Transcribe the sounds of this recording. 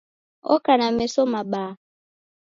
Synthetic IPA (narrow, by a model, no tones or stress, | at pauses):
o̰kanamesomaɓaː